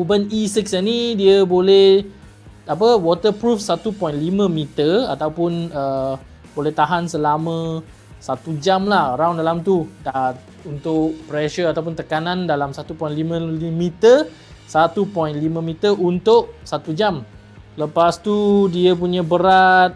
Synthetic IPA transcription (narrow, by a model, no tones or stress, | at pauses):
ubənisiksənidiəbolɛh | ap̬əwɔt̪əpɾufsat̪upɔinlimə̃mĩt̪ərat̪awpʊnə | bolɛht̪aɦansəlamə̃ | sat̪ud͡ʒamlahɾawndalamt̪udat̪̚ | unt̪ʊʔpɾɛʃəat̪awp̬ʊnt̪əkanãndalamsat̪upɔj̃nlimə̃mit̪ər | sat̪upɔinlimə̃mĩt̪ərʔunt̪ʊʔsat̪ud͡ʒam | ləpast̪udiəpuɲãbəɾat̪̚